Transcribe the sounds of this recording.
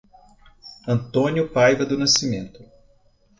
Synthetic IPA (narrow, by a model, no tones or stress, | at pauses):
ɐ̃nt̪õnjʊpajvɐd̪ʊnasimẽnt̪ʊ